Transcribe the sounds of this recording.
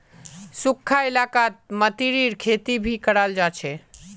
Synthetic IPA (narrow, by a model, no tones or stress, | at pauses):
sukʰːailakat̪̚mət̪iɾiɾkʰet̪ibʱikəɽald͡ʒat͡ʃʰɛ